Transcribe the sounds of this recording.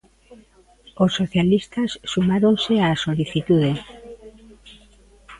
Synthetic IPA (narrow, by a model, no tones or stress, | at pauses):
osːoθjalist̪asːumaɾonseasoliθit̪uðe